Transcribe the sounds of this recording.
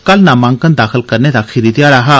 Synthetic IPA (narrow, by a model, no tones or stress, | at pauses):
kalnamãŋkənd̪akʰəlkəɾnjad̪akʰiɾid̪jaɽaɦa